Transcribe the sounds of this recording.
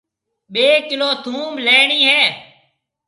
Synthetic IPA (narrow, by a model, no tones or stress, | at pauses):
ɓeːkɪloːt̪ʰũːmleːɳiːɦɛː